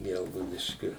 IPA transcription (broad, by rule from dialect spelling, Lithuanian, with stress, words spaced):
ˈɡʲɛlˠɡɐʊdʲɪʃʲkʲʊ